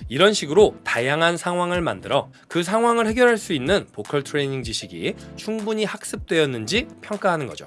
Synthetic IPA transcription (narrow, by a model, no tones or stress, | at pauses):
iɾʌnɕʰiɡɯɾotajaŋɦansʰaŋɦwaŋɯɭmandɯɾʌ | kɯs̬ʰaŋɦwaŋɯɭhe̞ɡjʌɾɦaɭs͈uinːɯnpokʰʌɭtʰɯɾeɲiŋd͡ʑiɕʰiɡḭt͡ɕʰuŋbuɲihak̚s͈ɯp̚t͈we̞ʌnːɯnd͡ʑipʰjʌŋk͈aɦanɯnɡʌ̰d͡ʑo̰